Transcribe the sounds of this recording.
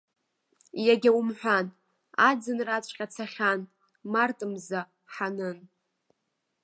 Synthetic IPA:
jaɡʲawmħᶣʷan | ad͡zɨnrat͡ɕʷʰʼqʲʼat͡sʰaχʲan | martʼɨmza | ħanɨn

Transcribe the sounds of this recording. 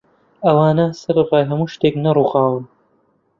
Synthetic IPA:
ɐwaːnɐsɐɾɨrɑːjɦɐmuːʃt̪eknɐruːxaːwɨn

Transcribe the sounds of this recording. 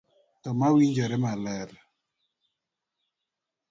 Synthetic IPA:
tɔmawiɲd͡ʒɔɾɛmalɛɾ

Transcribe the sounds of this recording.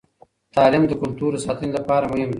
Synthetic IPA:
t̪ɑːlɪmd̪əkʊlt̪uɾəsɑːt̪ənilapɑːɾamʊhɪmd̪e

